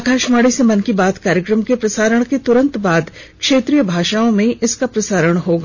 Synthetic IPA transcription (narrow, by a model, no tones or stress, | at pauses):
akʰaːʃmaːɽisemɐnkibaːd̪kaːɾjəkɾəmkepɾɐsaːɾəɽ̃ket̪ʊɾə̃nt̪baːd̪ | kʃeːt̪ɾijəbʱaːʃaːõmẽʔɪskapɾɐsaːɾəɽ̃ɦoːɡaː